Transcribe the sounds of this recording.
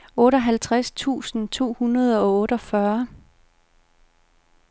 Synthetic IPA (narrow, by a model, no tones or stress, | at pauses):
ɔ̽ːɾɒ̽ɦælt͡sʰʁast͡sʰṵːsn̩t͡sʰo̝̰ːhunɐð̞ˠɒ̽ɔ̽ːɾɒ̽fɶɐ